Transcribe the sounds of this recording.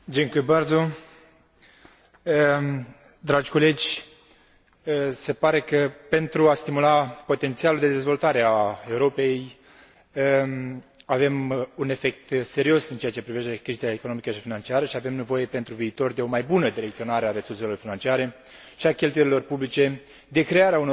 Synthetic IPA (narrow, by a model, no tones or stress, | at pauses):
d͡ʒeŋkujbarzo | ə | d̪ɾad͡ʒʲko̞le̞d͡ʒʲ | se̞paɾe̞kəpe̞nt̪ɾuast̪imulapo̞t̪e̞nt̪sialuld̪e̞d̪e̞zvo̞lt̪aɾeae̞uɾo̞pe̞j | ə | ave̞mune̞fe̞k̚t̪se̞ɾio̞sɨnt͡ʃeat͡ʃe̞pɾive̞ʃt̪e̞kɾizaekono̞mikəʃifinant͡ʃiaɾəʃiavemne̞vo̞je̞pe̞nt̪ɾuviːt̪o̞rd̪e̞o̞majbunəd̪iɾe̞kt̪io̞naɾeaɾe̞surse̞lo̞rfinant͡ʃiaɾe̞ | ʃiakʲe̞lt̪ujeɾilo̞rpublit͡ʃe̞ | d̪e̞kɾe̞aɾeauno